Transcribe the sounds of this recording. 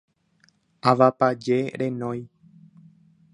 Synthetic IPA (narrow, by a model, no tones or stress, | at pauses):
aʋapad͡ʒe̞ɾẽ̞nõj